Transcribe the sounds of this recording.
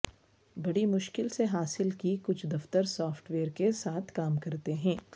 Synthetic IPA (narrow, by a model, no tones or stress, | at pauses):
bɐɽimʊʃkɪlseɦaːsɪlkikʊt͡ʃʰd̪ɐft̪əɾsɔːfʈʋeːəɾkesaːt̪ʰkaːmkɐɾt̪eɦɛ̃ː